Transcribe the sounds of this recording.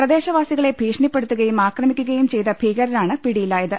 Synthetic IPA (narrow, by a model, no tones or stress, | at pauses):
prɐd̪e̞ːɕɐʋaːsiɣɐɭe̞bʱiːʂɐɳipːe̞ɽut̪ːuɣɐjumaːkrɐmikʲːuɣɐjumt͡ɕe̞jt̪ɐbʱiːɣɐɾiɾaːɳɨpiɽijilaːjɐðɨ